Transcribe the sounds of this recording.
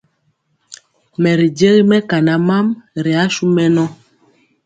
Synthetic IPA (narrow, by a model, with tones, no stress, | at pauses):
mɛ˨ɾi˨d͡ʒe˦ɣi˦mɛ˦ka˨na˨˦ma˦mɾɛ˨a˦ʃu˦mɛ˦nɔ˦